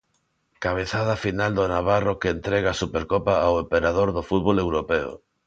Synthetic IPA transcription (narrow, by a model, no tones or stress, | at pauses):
kaβ̞eθað̞afinald̪onaβarokeːnt̪ɾeɣaːsupeɾkopaawempeɾaðoɾðofut̪̚βolewɾopeo̰